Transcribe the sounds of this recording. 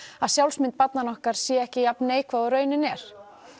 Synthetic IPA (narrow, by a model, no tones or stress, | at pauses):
aðsjawlsmɪnt̪̚pat̪nanɔhkaɾ̥sjɛɛhcɪjapneːjkʰvaðɔɾœːɥnɪnɛɾ̥